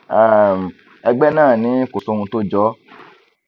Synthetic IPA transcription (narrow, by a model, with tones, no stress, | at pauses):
a˨m˨ | ɛ˧ɡ͡bɛ˦nãː˦˨nĩ˨˦ko˨so˨˧hũ˧to˦d͡ʒɔ˨˦